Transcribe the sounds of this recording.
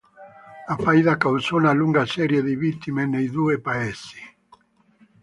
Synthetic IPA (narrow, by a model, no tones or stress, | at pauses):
afaiðakawsɔnaluŋɡasɛɾjeðiβit̪ːimenejd̪uepaɛsi̥